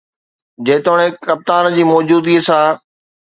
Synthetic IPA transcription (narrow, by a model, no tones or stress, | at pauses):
d͡ʑeːt̪oːɽ̃ekɐp̚t̪aːnd͡ʑiːmɔːd͡ʑuːd̪isãː